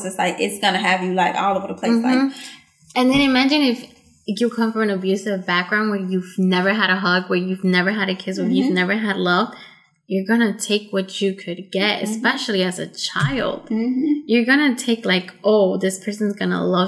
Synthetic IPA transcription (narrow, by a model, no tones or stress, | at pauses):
sɨslaɪkɪtsɡ̥ʌnɨɨvjɨlaɪkɔ̰lˠʌvɾəpʰl̥eɪsaɪ | ɨ̃nðɨ̃ñaɪmæd͡ʒɨ̃nɪf | jəkʰʌ̃ɱfə˞ɨ̃nɨbjʉsɨvbæk̚ɡ̥ɹãʊ̃nd̚wə˞jʉvnɛvə˞ɨɾɨɦʌɡwə˞jʉvnɛvə˞ɨɾɨkʰɪswə˞jʉvnɛvə˞ɨdˡlʌv | jə˞ɡʌnɨtʰeɪkwʌt͡ʃɨkʰɨd̚ɡɛɾɨ̰sspɛʃl̩ˠiɨzɨ̰t͡ʃʰaɪlˠd̥jə˞ɡʌnɨtʰeɪklaɪkʔoʊðɪspʰɜ˞sɨ̃n̩zɡʌnə̰lʌv